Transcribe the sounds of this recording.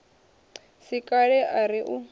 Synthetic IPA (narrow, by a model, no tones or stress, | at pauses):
sikʼaɺɛʔaɾiʔu